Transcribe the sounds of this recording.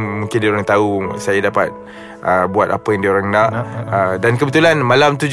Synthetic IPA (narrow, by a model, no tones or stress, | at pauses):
mũŋkɪndioɾaŋt̪ausajadapat̪̚ | ʔəbuat̪a̰pajaŋdioɾaŋnaʔədankəbət̪ulanmalamt̪ud͡ʒ